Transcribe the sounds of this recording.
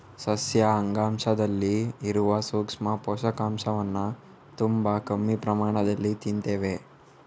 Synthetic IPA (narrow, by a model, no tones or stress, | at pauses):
sɐsjɐɐŋɡaːmʃɐd̪ɐlːiːɾuʋɐsuːkʂmɐpɔːʃɐkaːmʂɐʋɐnːɐ | t̪umbɐkɐmːipɾɐmaːɳ̃ɐd̪ɐlːit̪int̪eːʋe